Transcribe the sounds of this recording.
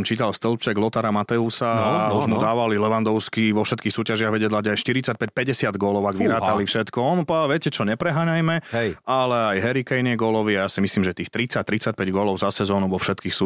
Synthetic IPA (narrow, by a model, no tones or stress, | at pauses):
mt͡ʃiːt̪alst̪əlˠt͡ʃɛɡlɔt̪aɾamat̪ɛusauʒmud̪aːʋalilɛʋand̪ɔʊskiʋɔfʃɛt̪kiːxsuːcaʒɪaɣʋɛɟɛd̪laɟajʃt̪iɾit͡sac̚pɛc̚pɛɟɛsɪad̪ɡɔlɔʊaɡʋiɾaːt̪alifʃɛt̪kɔɔnpɔaʋɪɛcɛt͡ʃɔɲɛpɾɛɦaːɲajmɛalɛajɦɛɾikɛjniɛɡɔlɔʋiajaːsimisliːmʒɛt̪iːxt̪ɾit͡sac̚t̪ɾit͡sac̚pɛɟɡɔlɔʊzasɛzɔːnuʋɔfʃɛt̪kiːxsu